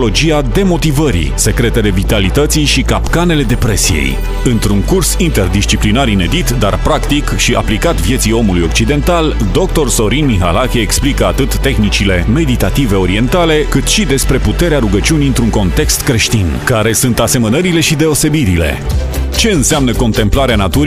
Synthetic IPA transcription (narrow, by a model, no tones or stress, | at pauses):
lo̞d͡ʒijad̪e̞mo̞t̪ivəɾḭse̞kɾe̞t̪e̞le̞vit̪alit̪ət̪siʃikapkane̞le̞d̪e̞pɾe̞sḭjḛj | ɨnt̪ɾuŋkursint̪e̞rd̪ist͡ʃiplinaɾine̞d̪it̪d̪a̰rpɾakt̪ikʃiʔa̰plikat̪vjet̪sijo̞mulujo̞k̚t͡ʃid̪e̞nt̪al | d̪o̞k̚t̪o̞rso̞ɾinmiɦa̰lakʲeːksplikəat̪ɨt̪ːexnit͡ʃile̞me̞d̪it̪at̪ive̞o̞ɾie̞nt̪ale̞kɨt̪ʃid̪e̞spɾe̞put̪e̞ɾeaɾuɡət͡ʃiuniɨnt̪ɾuŋko̞nt̪e̞kst̪kɾe̞ʃt̪inkaɾe̞sunt̪ase̞mənəɾile̞ʃid̪e̞o̞se̞biɾile̞̰t͡ʃe̞ɨnseamnəko̞nt̪e̞mplaɾeanat̪uɾ